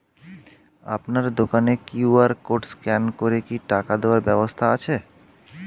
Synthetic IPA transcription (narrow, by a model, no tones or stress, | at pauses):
a̰pnaɾd̪okanekjuaɾkoʈskɛnkoɾekiʈakad̪eaɾbɛbost̪ʰaat͡ɕʰe